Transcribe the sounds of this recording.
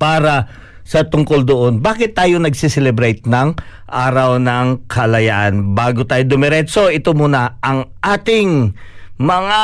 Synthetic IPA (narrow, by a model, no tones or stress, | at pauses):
paːɾɐ | sɐt̪ʊŋkold̪oʔonbaːkɪt̪ːaːjonɐɡsisɛlɛbɾɛjt̪̚nɐŋʔaːɾɐwnɐŋkʰɐlɐjaʔanbaːɡot̪aːjod̪ʊmɛɾɛsoʔɪt̪omuːnɐʔɐŋʔaːt̪ɪŋ | mɐŋa